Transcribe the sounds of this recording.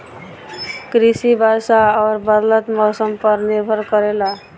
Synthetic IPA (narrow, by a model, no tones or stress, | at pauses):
kɾisibʱasaɔɾbʌd̪lʌt̪mʌsʌmpʌɾniɾbʱʌɾkʌɾela